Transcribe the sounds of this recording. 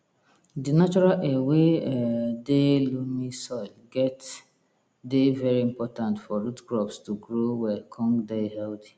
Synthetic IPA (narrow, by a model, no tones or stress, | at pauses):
dinat͡ʃɔɾalɛweɛdelunisɔɪlɡɛt | devɛɹiĩmpɔtãntfɔɹutɡɹɔpstuɡɹowɛkʰɔ̃ŋɡdehɛldi̥